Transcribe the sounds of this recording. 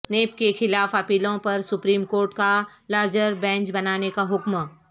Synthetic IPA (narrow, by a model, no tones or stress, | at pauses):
neːpkexɪlaːfɐpiːlõpɐɾsʊpɾiːmkoːɾʈkalaːɾd͡ʒəɾbɛ̃ːɲt͡ʃbɐnaːnekaɦʊkm